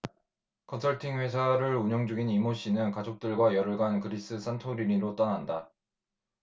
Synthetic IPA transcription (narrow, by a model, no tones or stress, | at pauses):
kʰʌnsʰʌɭtʰiŋɸe̞sʰaɾɯɾuɲʌŋd͡ʑuɡinimoɕ͈ʰinɯnkad͡ʑok̚t͈ɯɭɡwajʌɾɯɭɡankɯɾis͈ɯs͈ʰantʰoɾiɾiɾot͈ʌnanda